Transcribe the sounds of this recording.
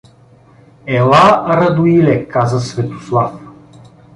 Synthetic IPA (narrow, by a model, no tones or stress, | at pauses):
ɛlˠaɾɐd̪ʊilɛkazəsvɛt̪o̥slˠaf